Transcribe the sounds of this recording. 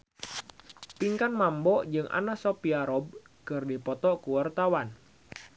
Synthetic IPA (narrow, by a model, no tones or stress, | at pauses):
piŋkanmambɔd͡ʒɨŋʔa̰nasɔpiaɾɔb̚ | kɨrdipɔt̪ɔkuwart̪awan